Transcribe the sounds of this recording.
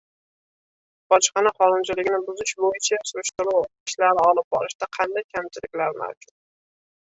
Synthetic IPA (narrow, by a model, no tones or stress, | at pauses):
b̥ɒt͡ʃqɑnaχɒnʊnt͡ʃʰɪlɪɡʲnɪbʊzɪʃbojɪt͡ʃʰasʊɾɪʃt̪ʊɾʊwɪʃlaɾɪɒlˠɪp̚bɒɾɪʃd̪aqʰɑnd̪ajkʲʰamt͡ʃʰɪlɪkʲlaɾma̰wd͡ʒʊt̪̚